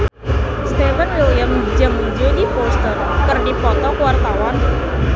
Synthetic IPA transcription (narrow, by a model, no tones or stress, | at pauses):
st̪efənwelijəmbid͡ʒamuɲd͡ʒodifost̪ər | kərɖipɔt̪ɔkəwart̪awan